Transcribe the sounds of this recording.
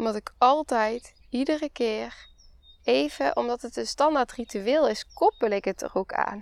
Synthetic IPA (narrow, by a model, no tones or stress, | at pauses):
ɔmdɔtɪkʰɑlˠtɛjt | idərəkɪːr | ejv̥əʔɔmdɔtətənstɑndaɹtrityɪːlˠɪskɔpəlɪkətə̰rokʰa̰ːn